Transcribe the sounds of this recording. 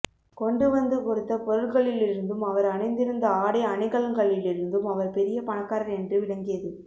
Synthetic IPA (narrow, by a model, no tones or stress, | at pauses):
kɔɳɖɯʋɐnd̪ɯkɔɾɯt̪ːɐpɔɾɯɭɣɐɭɪlɪɾɯnd̪ɯmɐʋɐɾɐnɐɪnd̪ɪɾɯnd̪ɐaːɽɐɪɐnɪɣɐɭɐŋɡɐɭɪlɪɾɯnd̪ɯmɐʋɐɾpɛɾɪjɐpɐɳɐkːaːɾɐɾɛndrɯʋɪɭɐŋɡɪjɐðɯ